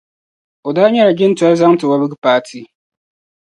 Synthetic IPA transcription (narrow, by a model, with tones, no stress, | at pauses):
o˨daː˦ɲɛ˦ɾa˨ɡɪ˦n˦ta˦ɾza˦ŋ˦tɨ˨wa˦bɨ˦ɡɨ˦paː˦tʰi˦